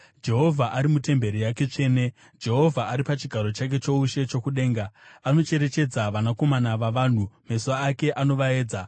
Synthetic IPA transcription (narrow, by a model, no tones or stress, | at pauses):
d͡ʒe̞ɦo̞vʱaʔaɾimute̞mbe̞ɾijake̞t͡ʂe̞ːne̞ | d͡ʒe̞ɦo̞vʱaaɾipat͡ʃiɡʱaɾo̞t͡ʃak̬e̞t͡ʃo̞uʃe̞t͡ʃo̞kuɗe̞ːŋɡaano̞t͡ʃe̞ɾe̞t͡ʃe̞d͡zaʋanako̞manaʋaʋaːn̤umesuaːke̞ʔano̞ʋae̞ːd͡za